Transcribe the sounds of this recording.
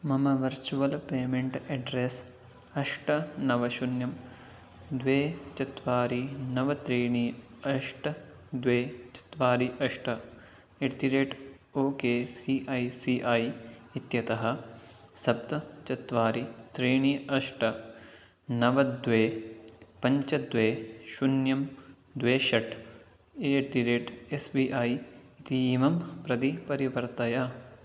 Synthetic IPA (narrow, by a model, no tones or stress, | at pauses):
mɐmɐʋɐɾt͡ʃuʋɐlpeːmeɳʈeɖɾes | ɐʂʈɐnɐʋɐʃunjɐm | d̪ʋeːt͡ʃɐt̪ʋaːɾinɐʋɐt̪ɾiːɳiɐʂʈɐ | d̪ʋeːt͡ʃɐ̥t̪ʋaːɾiʔɐʂʈɐ | eʈt̪iɾeːʈ | oːkeːsiːʔɐjsiːʔɐjit̪jɐt̪ɐɦɐ̆sɐb̚t̪ɐt͡ʃɐt̪ʋaːɾit̪ɾeːɳiɐʂʈɐ | nɐʋɐd̪ʋeːpɐɲt͡ʃɐd̪ʋeːʃunjɐm | d̪ʋeːʃɐʈ | eːʈt̪iɾeːʈesbiːʔaːjit̪iiːmɐmpɾɐd̪ipɐɾiʋɐɾt̪ɐjɐ